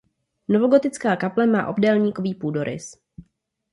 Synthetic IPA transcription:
novo̞ɡo̞t̪ɪt͡skaːkaplɛma̰ːʔo̞bdɛlɲiːko̞viːpuːdo̞ɾɪ̰s

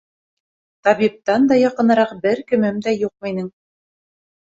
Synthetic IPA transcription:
t̪ɑβip̚t̪ɑnd̪ɑjɑqɤ̆nɤ̆ɾɑqbɘɾkɘ̆mɘmd̪æjuq̚mɤ̆jnɤŋ

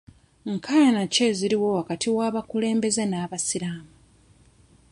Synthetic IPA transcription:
ŋkʰajanace̞ziɾiwo̞wakatʰiwaːβakule̞ːmbe̞zenaːβasiɾaːmu

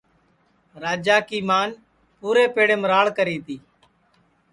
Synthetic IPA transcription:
ɾaːd͡ʒaːkiːmaːn | puːɾeːpeːɽẽːməɾaːɭkəɾiːt̪iː

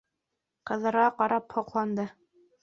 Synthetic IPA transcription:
qɤ̆ðɤ̆ɾʁɑqɑɾɑphŏqlˠɑnd̪ɤ

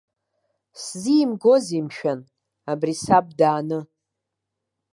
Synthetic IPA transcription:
szimɡo̞zimʃᶣan | abrisab̚daːnɨ

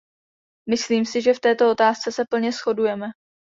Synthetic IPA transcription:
mɪsliːmsɪʒɛft̪ɛːt̪o̞o̞t̪aːst͡sɛsɛpl̩ɲɛsxo̞dujɛmɛ

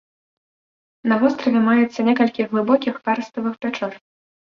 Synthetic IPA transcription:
nɐvɔst̪ɾɐvʲɛmajɛt̪sːɐnʲɛkɐlʲkʲiɣvɨbɔkʲixpaɾst̪ɐvɨxpʲat͡ʂɔr

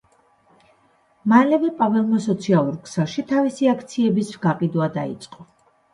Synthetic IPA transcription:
malɛvɛpʼavɛlˠmɔsɔt̪sʰialˠuɾkʰz̥ɛlˠʃit̪ʰavisiakʰt̪sʰiɛbisvɡaqʼid̪wad̪a̰ḭt̪sʼqʼɔ

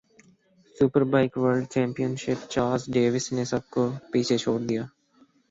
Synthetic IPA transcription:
sʊpəɾbaɪkʋəɾɖ̚t͡ʃɛ̃ːmpijənʃɪpt͡ʃaːɾzɖeːʋɪsnesɐb̚kopiːt͡ʃʰet͡ʃʰoːɽd̪ijaː

